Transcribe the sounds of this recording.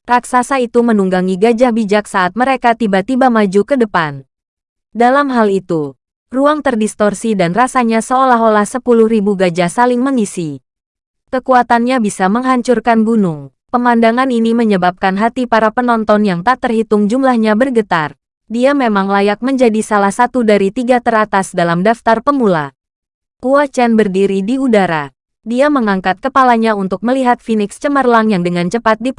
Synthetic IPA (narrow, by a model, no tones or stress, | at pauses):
raksasait̪umənuŋɡaŋiɡad͡ʒahbid͡ʒak̚saːt̪̚məɾekat̪ibat̪ibamad͡ʒukədəpan | dalamɦalit̪u | ruaŋt̪ərdist̪ɔrsidanrasaɲasəolaɦolahsəpuluhɾibuɡad͡ʒahsalɪŋməŋisi | kəkuat̪anɲabisaməŋɦaɲt͡ʃurkanbunuŋ | pəmandaŋaniniməɲəbap̚kanɦat̪ipaɾapənɔnt̪ɔnjaŋt̪aʔt̪ərhit̪ʊŋd͡ʒumlahɲabərɡət̪ar | diamemaŋlajak̚məɲd͡ʒadisalahsat̪udaɾit̪iɡat̪əɾat̪asdalamdaft̪arpəmula | kuat͡ʃɛnbərdiɾidiudaɾa | diaməŋaŋkat̪̚kəpalaɲaunt̪ʊk̚məliɦat̪̚finɪkst͡ʃəmərlaŋjaŋdəŋant͡ʃəpat̪̚di